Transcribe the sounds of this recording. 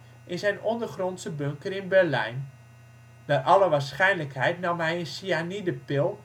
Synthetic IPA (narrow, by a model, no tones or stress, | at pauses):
ʔɪnsɛjnɔndərχrɔntsəbøŋkərɪnbɛrlɛ̰jn | darʔɑləʋaːrsχɛjnləkhɛjtnɑmɦɛjənsianidəpɪlˠ